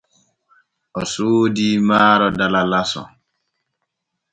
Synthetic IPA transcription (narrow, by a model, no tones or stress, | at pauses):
ɔsoːdiːmaːɾɔdalalasɔ̰